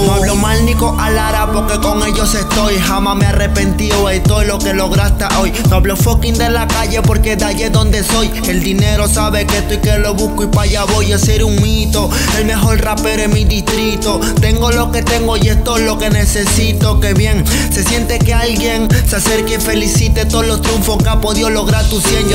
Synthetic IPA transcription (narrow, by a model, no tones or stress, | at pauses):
noaβlomalniko̞ʔalaɾapo̞ɾke̞ko̞ŋe̞ʝose̞st̪o̞jɦamameare̞pe̞nt̪ioajt̪o̞jlo̞ke̞lo̞ɣɾast̪aʔo̞jnoaβlofo̞kind̪e̞lakaʝe̞po̞ɾked̪aʎeðo̞nd̪e̞so̞j | e̞ld̪ine̞ɾo̞saβekest̪ojkelo̞βuskoipaʝaβo̞jase̞ɾuŋmit̪o̞ | e̞lme̞xo̞lrape̞ɾoemiðist̪ɾit̪o̞ | t̪e̞ŋɡo̞lo̞ke̞t̪e̞ŋɡoʝest̪o̞jlo̞ke̞ne̞se̞sit̪o̞ke̞βje̞ŋ | se̞sje̞nt̪e̞ke̞alɡje̞ŋsease̞ɾkife̞lisit̪et̪oðolo̞st̪ɾuɱfo̞skeapo̞ðiolo̞ɣɾaɾt̪usjeɲo